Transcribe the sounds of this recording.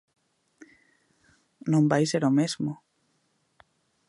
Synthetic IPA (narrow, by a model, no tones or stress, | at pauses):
nõmbajseɾomezmo